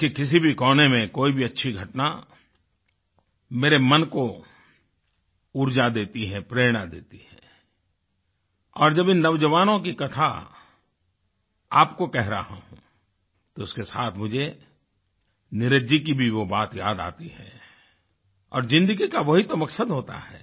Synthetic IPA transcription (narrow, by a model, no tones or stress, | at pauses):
kikɪs̬ibʱikɔːnemẽkoːibʱiɐtːʃʰiɡʱɐʈna | meːɾemɐnko | ʊɾd͡ʒad̪eːt̪iɦɛ̃pɾeːɽ̃ad̪ḛːt̪iɦɛ̃ː | ɔːɾd͡ʒɐbɪnːɐʋd͡ʒəʋaːnõkikɐt̪ʰa̰ | a̰ːpkokɛɦɾɐɦa̰ɦũ | t̪oʊskesaːt̪ʰmʊd͡ʒʱe | nɪɾɪd͡ʒikibʱiʋobaːt̪jaːd̪a̰ːt̪iɦɛ̰ː | ɔ̰ːɾzɪ̃nd̪əɡikaʋɐɦit̪omɐksəd̪ɦoːt̪a̰ɦɛ̰ː